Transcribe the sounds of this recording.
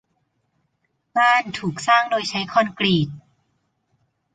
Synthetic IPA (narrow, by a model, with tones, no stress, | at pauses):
baː˥˩nt̪ʰuː˨˩k̚saː˥˩ŋdoː˧jt͡ɕʰa˦˥jkʰɔ˧nkliː˨˩t̪̚